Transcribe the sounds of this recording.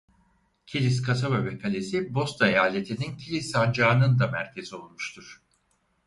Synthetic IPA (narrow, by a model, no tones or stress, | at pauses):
cʰilʲiskʰasaβavekʰalʲesibo̞st̪ʰaejaːlʲe̞t̪ʰinincʰilʲisand͡ʒaːnɯnd̪amæɾcʰe̞zio̞lˠmuʃt̪ʰuɾ̥